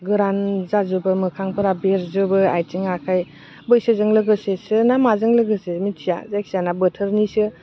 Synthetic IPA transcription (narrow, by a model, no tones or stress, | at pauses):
ɡɯɾanzazɯbɯmɯkʰaŋpʰɯɾabeɾzɯbɯajtiŋakʰaj | bɯjsɯzɯŋlɯɡɯsesɯnamazɯŋlɯɡɯsemitʰija̰zajksijanabətʰəɾnisɯ